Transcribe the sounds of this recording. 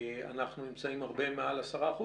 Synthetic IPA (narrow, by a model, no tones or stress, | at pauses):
a̰naχnunimt͡saimaʁbe̞mealasaʁaːχu